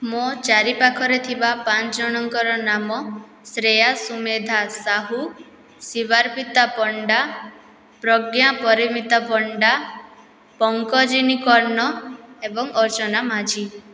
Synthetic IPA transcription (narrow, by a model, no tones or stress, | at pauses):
mot͡ʃaɾipakʰɔɾet̪ʰibapãt͡ʃd͡ʒɔɽ̃ɔŋkɔɾɔnamɔ | sɾejasumed̪ʱasaɦu | sibaɾpit̪apɔɳɖa | pɾɔɡjapɔɾimit̪apɔɳɖa | pɔŋkɔd͡ʒinikɔɾnɔebɔŋɔɾt͡ʃɔnamad͡ʒi